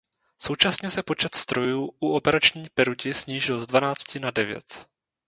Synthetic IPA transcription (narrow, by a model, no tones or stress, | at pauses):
so̞wt͡ʃasɲɛsɛpo̞t͡ʃɛt̪st̪ɾo̞juːʔuo̞pɛɾat͡ʃɲiːpɛɾucɪsɲiːʒɪlzdvanaːt͡scɪnadɛvjɛ̰t̪